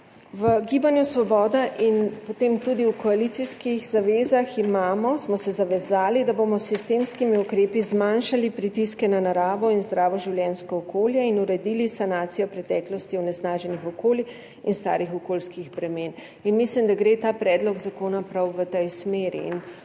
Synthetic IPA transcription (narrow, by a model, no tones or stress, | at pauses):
ʋəɡiːbanjusʋɔbɔːd̪aʔinpɔt̪eːmt̪ud̪iwkɔalit̪siskixzaʋeːzaximaːmɔsmɔsɛzaʋɛzaːlid̪abomɔsːist̪eːmskimiukɾeːpizmanʃalipɾit̪iskɛnanaɾaːʋɔinzd̪ɾaːʋɔʒiwljɛnskɔːkoːljɛinuɾɛd̪ilisanaːt̪sijɔpɾɛt̪ɛːklɔst̪iwnɛsnaːʒɛnixɔkoːli | inst̪a̰ːɾixɔkoːlskiɣbɾɛmeːn | inmislimd̪aɡɾeːt̪aːpɾɛːd̪lɔɡzakoːnapɾawʋət̪ɛjsmeːɾḭːn